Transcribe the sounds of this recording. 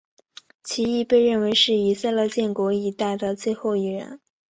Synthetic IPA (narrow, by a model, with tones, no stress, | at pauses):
t͡ɕʰi˧˥i˥˧pe˥˧ɪɻə˥˩nwe˧˥ɪʂɻ̩˥˩i˨˩sa˥˧ɪlɤ˥˧t͡ɕjɛ˥˩nkwɔ˧˥i˨˩t̪a˥˩ɪd̪ə˩t͡swe˥˧ɪxo˥˩ʊi˨˩ɻə̰˧˥n